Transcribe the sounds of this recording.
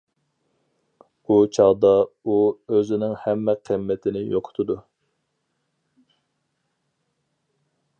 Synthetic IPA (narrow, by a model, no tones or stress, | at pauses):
ut͡ʃʰɑʁd̪ɑuøzɪnɪŋhɛmːɛqʰəmːɛt̪ʰɪnɪjoqʰʊ̥t̪ʰʊd̪u